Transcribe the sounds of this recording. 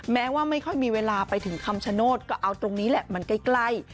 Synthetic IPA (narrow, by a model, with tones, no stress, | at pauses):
mɛː˦˥waː˥˩ma˥˩jkʰɔ˥˩jmiː˧weː˧laː˧pa˧jt̪ʰɯ˨˩˦ŋkʰa˧mt͡ɕʰa˧noː˥˩t̪̚kɔː˥˩ʔa˧wt̪ɾo˧ŋniː˦˥lɛ˨˩ʔma˧nka˥˩jkla˥˩j